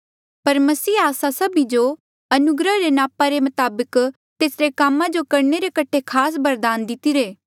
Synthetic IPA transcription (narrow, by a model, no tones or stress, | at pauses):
pɐɾmɐsiːaːsasɐbid͡ʒo | ɐnʊɡɾəɦɾenaːpaɾemɐt̪aːbək | t̪eːsɾekaːmːãd͡ʒokɐɾneɾekɐʈʰekʰaːs̬bɐɾd̪aːnd̪ɪt̪iɾeː